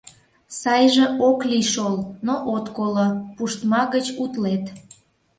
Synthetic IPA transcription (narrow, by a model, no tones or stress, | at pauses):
sɑjʒĕʔokliʃolnoʔot̪kolopuʃt̪mɑɣət͡ɕut̪let̪